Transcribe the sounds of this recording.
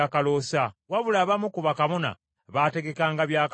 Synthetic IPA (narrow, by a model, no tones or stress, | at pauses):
akalo̞sawaβulaβamukuβakaβona̰ | βaːte̞ɡe̞kaːŋɡaβjaːk